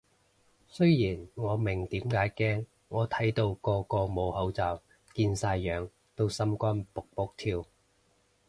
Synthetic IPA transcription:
sɵ˥ɥjiː˨˩nŋɔː˨˧mɪ˨˩ŋt̪iː˨˥mkaː˨˥jkɛː˥ŋː | ɔː˨˧t̪ʰɐ˨˥jt̪o˧wkɔː˧kɔː˧mo˨˧whɐ˨˥wt͡sɐː˨˧w | kiː˧nsaː˧jːœː˨˧ŋ | t̪o˥wsɐ˥mkʷaː˥npʊ˨k̚pʊ˥k̚t̪ʰiː˧w

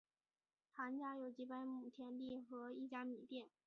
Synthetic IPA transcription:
t̪ʰa˧˥nt͡ɕja˥jo˨˩ʊt͡ɕi˧˥pa˥ɪmu˨˩t̪ʰjɛ˧˥nt̪i˥˩xɤ˧˥i˥˩t͡ɕja˥mi˨˩p̪jɛ˥˩n

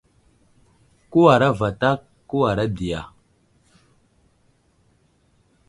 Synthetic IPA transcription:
ku˦wa˨ɾa˦va˨ta˦kːu˦wa˨ɾa˦di˨ja̰˨

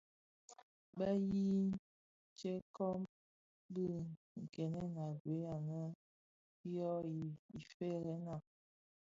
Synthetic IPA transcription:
bə˦ji˦ | t͡ʃe˦kɔ˦m | bə˦ | ŋ̩˨kɛ˨nɛ˦na˨ɡwe˨˦a˨nə˦ | jɔ˦i˨i˨fe˦ɾɛ˨˦na˨

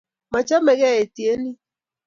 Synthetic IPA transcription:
ma˨t͡ʃa˦mɛ˨ɣɛ˦˨e˨ti˨e˦ni˦

